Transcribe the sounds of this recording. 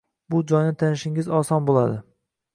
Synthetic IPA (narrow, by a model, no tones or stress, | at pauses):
bʊd͡ʒɒjnɪt̪ʰanɪʃɪŋɪzɒsɒnbolˠad̪ɪ